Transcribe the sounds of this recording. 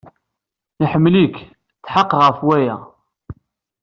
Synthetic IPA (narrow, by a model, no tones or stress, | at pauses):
iħəmːlik | t͡sːħaqːʁəfwæjæ